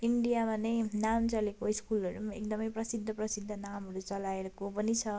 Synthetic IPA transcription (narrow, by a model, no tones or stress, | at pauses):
iɳɖijamanʌjnamt͡sʌlekoiskulʌɾumaekd̪ʌmʌjprʌsid̪ʱːʌprʌsid̪ʱːʌnamɦʌɾut͡sʌlaeɾʌkopʌnit͡sʰʌ